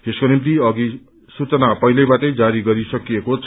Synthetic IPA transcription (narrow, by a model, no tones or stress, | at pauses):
t̪eskonimt̪̬iʌɡi | sut͡sʌnapʌjlʌjbaʈʌjd͡zaɾiɡʌɾisʌkijekot͡sʰ